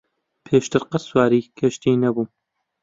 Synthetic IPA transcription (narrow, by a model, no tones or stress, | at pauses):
pʰeːʃt̪ɨɾqəswaːɾiːkʰɐʃt̪iːnɐbuː